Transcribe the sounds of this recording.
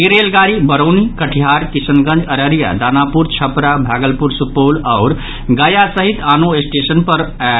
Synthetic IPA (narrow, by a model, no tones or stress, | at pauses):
eɾelɡaɾibəɾonikəʈʰiɦaːɾkisənɡə̃nd͡ʒəɾəɾija̰d̪aːnapuɾt͡ʃʰəpɾabʱaːɡəlpuɾsupolaʊɾ | ɡəjasəɦit̪aːnoesʈesənpəɾ